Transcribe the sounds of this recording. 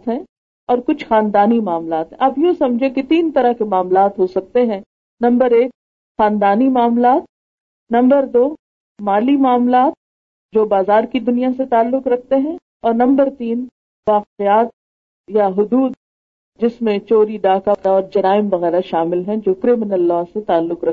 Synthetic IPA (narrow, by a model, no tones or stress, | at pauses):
t̪ɦɛ̃ | ɔːɾkʊt͡ʃʰxaːnd̪aːnimaːmlaːt̪ɦɛ̃ɐpjõsɐ̃md͡ʒʱẽket̪iːnt̪ɐɾəɦkemaːmlaːt̪ɦosɐk̚t̪eɦɛ̃ː | nɐ̃mbəɾeːk̚ | xaːnd̪aːnimaːmlaːt̪̚ | nɐ̃mbəɾd̪oː | maːlimaːmlaːt̪̚ | d͡ʒoːbaːzaːɾkid̪ʊnijaset̪aːlːʊqɾɐk̚ʰt̪eɦɛ̃ | ɔːɾnɐ̃mbəɾt̪iːn | ʋaːqejaːt̪̚ | jaɦʊd̪uːd̪̚ | d͡ʒɪsmẽt͡ʃoːɾiɖaːkakaɔːɾd͡ʒɐɾaːɪmʋɐɣɛːɾaʃaːmɪlɦɛ̃d͡ʒoːkɾɪmɪnəlːaːset̪aːlːʊqɾɐk̚